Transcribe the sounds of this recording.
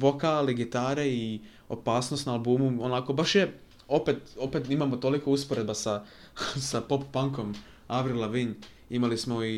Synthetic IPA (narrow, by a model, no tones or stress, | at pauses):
ʋokaliɡit̪aːɾei | o̞̰paːsnost̪naːlbuːmuonako̞baʃje | o̞pet̪o̞pe̞t̪imamo̞t̪o̞liko̞uspoɾed̪basa | sapo̞ppaŋko̞m | aʋɾilaʋiɲ | imalismo̞i